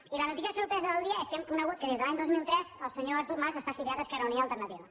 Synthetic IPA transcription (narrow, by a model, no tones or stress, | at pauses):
ilənut̪isiəsuɾpɾɛzəðəlˠd̪iəeskɛmkunəɣut̪̚kəðezðəlaɲd̪ozmilˠt̪ɾɛzəlˠsəɲoəɾt̪uɾmazəst̪afiliat̪əskɛɾəuniəlˠt̪ərnət̪iβə